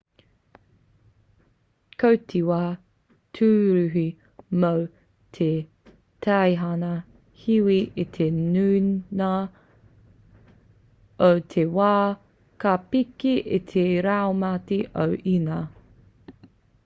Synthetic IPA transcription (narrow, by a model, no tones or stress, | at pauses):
kʰowtʰiwaː | tʰʉːɾʉɦi | mow | tʰe | tʰɐjɦɐnɐ | hiwiʔit̪ʰenʉna | owtʰewaː | kapikiʔḭt̪ʰeɾaomatiʔowʔinɐ